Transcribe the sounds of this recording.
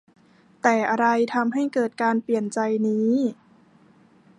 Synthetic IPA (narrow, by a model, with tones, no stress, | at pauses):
t̪ɛː˨˩ʔa˧ɾa˧jt̪ʰa˧mɦa˥˩jkɤː˨˩t̪̚kaː˧npli˨˩ənt͡ɕa˧jniː˦˥